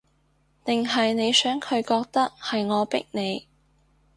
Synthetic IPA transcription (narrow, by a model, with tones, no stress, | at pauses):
t̪ɪ˨ŋɦɐ˨jne˨˧jsœː˨˥ŋkʰɵ˨˧ɥkɔː˧k̚t̪ɐ˥k̚hɐ˨jŋɔː˨˧pɪ̰˥k̚ne˨˧j